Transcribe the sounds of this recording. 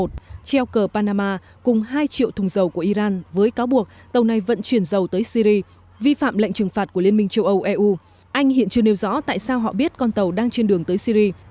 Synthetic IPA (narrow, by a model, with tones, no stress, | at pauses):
t̚t͡ɕɛ˧wkəː˨˩paː˧naː˧maː˧ | kʊ˨˩ŋ͡mɦaː˧jt͡ɕḭ˧˨əwt̪ʰʊ˨˩ŋ͡mzə˨˩wku˧˩əʔi˧zaː˧nvəː˨˦jkaː˨˦wɓu˨˩ək̚ | t̪ə˨˩wna˨˩jvə̰˧˥nt͡ɕwi˧˩ənzə˨˩wt̪əː˨˦jsi˧ɾi˧ | vi˧fa̰ː˧˨mlə̰˧˨ŋ̟t͡ɕɨ˨˩ŋfaː˨˩t̚ku˧˩əli˧ənmï˧ŋ̟t͡ɕə˧wʔə˧wʔɛ˧ʔu˧ | ʔa˧jŋ̟hḭ˧˨ənt͡ɕɨ˧əne˨˧˦wzɔ̰˧˥t̪a̰ː˧˨jsaː˧wɦɔ̰˧˨ɓi˦˥ət̚kɔ˧nt̪ə˨˩wɗaː˧ŋt͡ɕe˧nɗɨ˨˩əŋt̪əː˨˦jsi˧ɾi˧